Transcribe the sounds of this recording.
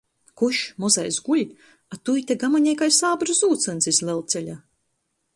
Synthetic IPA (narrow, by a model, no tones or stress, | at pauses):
kuʃmɔza̰jzɡulʲ | at̪ujt̪ɛɡamaɲɛjkajsaːbɾzuːt̪sansizlɛlˠt̪sɛlʲa